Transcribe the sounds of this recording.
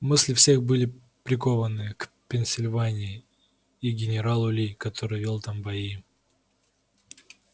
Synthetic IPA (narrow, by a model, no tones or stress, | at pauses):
mɨsʲlʲɪfsʲe̞xbɨlʲɪ | pɾʲɪko̞vənɨkpʲɪnʲsʲɪlʲvanʲɪɪ | iɡʲɪnʲɪɾalˠʊlʲikɐt̪ʰo̞ɾɨjvʲelˠt̪ambɐi